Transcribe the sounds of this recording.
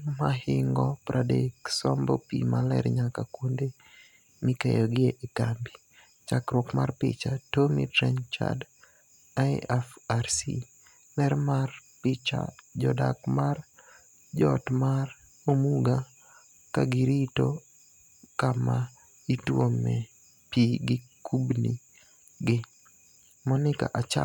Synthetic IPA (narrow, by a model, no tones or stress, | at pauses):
maɦɪŋɡɔpɾʔadeksɔmbɔpḭmalɛɾɲakakwonde | mikejɔɡɪeʔikambi | t͡ʃakɾɔkmarpɪt͡ʃatomitɾɛnt͡ʃa̰d | ajɛfarsḭ | lɛɾmarpɪt͡ʃa̰d͡ʒɔdakmar | d͡ʒɔtmar | omuɡa | kaɡiɾito | kama | itwomɛ | piɡɪkʰubni | ɡɪ | mɔnɪka̰ʔat͡ʃa